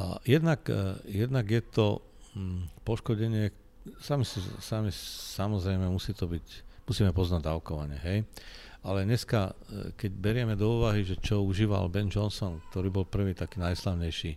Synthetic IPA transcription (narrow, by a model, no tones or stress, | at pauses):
jɛd̪nakjɛd̪naɡjɛt̪ɔ̰ | m̩pɔʃkɔɟɛɲɪɛk | samisḭsamisamɔzɾɛjmɛmusiːt̪ɔbicmusiːmɛpɔznaɟd̪aʊkɔʋaɲɛ̰ɦɛjalɛɲɛskakɛɟbɛɾɪɛmɛd̪ɔuːʋaɦiʒɛt͡ʃɔuʒiːʋa̰lbɛnd͡ʒɔnsɔnk̚t̪ɔɾiːbɔlpr̩ʋiːt̪akiːnajslaʊɲɛjʃiː